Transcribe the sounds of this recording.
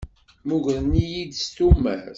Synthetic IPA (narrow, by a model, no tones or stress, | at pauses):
muʝɾnijid̪st̪umæ̰ɾ